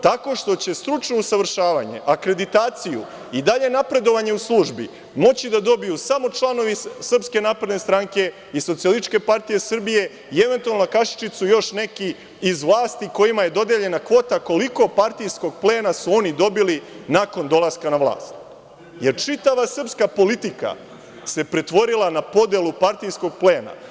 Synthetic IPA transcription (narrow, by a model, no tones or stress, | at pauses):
t̪ako̞ʃt̪o̞t͡ɕe̞st̪ɾut͡ʃno̞usaʋr̩ʃaːʋa̰ɲe̞̰ʔakɾe̞d̪it̪aːt̪siju | id̪aʎe̞napɾe̞d̪o̞ʋaɲe̞uslˠuʒbḭ | mo̞t͡ɕid̪ad̪o̞bijusamo̞t͡ʃlˠano̞ʋisr̩pske̞naːpɾed̪ne̞st̪ɾaŋke̞ | iso̞t̪siolit͡ʃke̞paɾt̪ije̞srbije̞ | ieʋent̪ualnokaʃi̥t͡ʃit̪sujo̞ʃne̞kiː | zʋlˠaːst̪iko̞jimaje̞d̪o̞d̪eʎe̞nakʋo̞ːt̪ako̞liko̞paɾt̪ijsko̞ɡ̚ple̞ːnasuo̞nid̪o̞bilinako̞nd̪o̞lˠaskanaʋlˠa̰ːst̪ | je̞ɾt͡ʃit̪aʋasr̩pskapo̞lit̪ika̰ | se̞pɾe̞t̪ʋo̞ɾilˠanapo̞d̪elˠupaɾt̪ijsko̞ɡ̚pleːna̰